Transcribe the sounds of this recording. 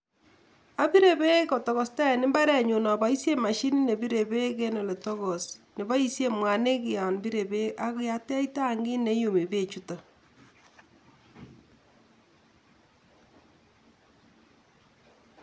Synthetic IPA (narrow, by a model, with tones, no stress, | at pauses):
a˦bi˦ɾe˨be˦kɔ˨tɔ˨ɣɔ˨sta˦˨nɪ˦mba˦ɾɛ˨ɲu˨nɔ˨ba˨˦i˦sje˦ma˨ʃi˦ni˦ne˨bi˦ɾe˨be˦ke˦nɔ˨le˨tɔ˦ɣɔ˨snɪ˨βa˦i˦sje˦mwa˨ne˦kɪ˨a˨nbi˦ɾe˨be˦a˦kja˦tɛ˦i˦ta˦˨ŋɡɪ˦ne˨˦ju˨mi˨be˦˨t͡ʃu˦to˨